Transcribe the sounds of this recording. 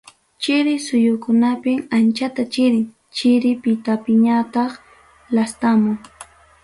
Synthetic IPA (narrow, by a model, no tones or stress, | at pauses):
t͡ʃɪɾɪsʊjʊkʊnapɪŋant͡ʃat̪at͡ʃɪɾɪŋ | t͡ʃɪɾɪpɪt̪apɪɲat̪ɑχ | last̪amʊŋ